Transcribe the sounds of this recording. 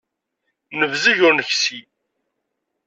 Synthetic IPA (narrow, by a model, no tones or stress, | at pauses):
nəvzəʝʊɾnəçsi